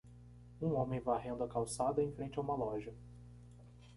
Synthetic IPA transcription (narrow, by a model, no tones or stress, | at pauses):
ũõmẽj̃vajɦẽnd̪ʊɐkawsad̪ɐẽj̃fɾẽnt͡ʃɪaũmɐlɔʒɐ